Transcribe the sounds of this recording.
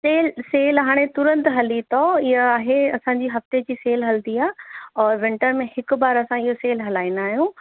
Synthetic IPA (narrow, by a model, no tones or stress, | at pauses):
seːlseːlɦaːɽ̃et̪ʊɾə̃nt̪ʊɦɐlit̪ʰɔɪɦəaːɦeɐsãːɲd͡ʑiːɦɐft̪ed͡ʑiːseːlɦɐld̪iaːɔːɾʋɪ̃ɳʈəɾmẽhɪkʊbaːɾɐsãɪɦoseːlɦɐlaːĩnd̪aːɦijũː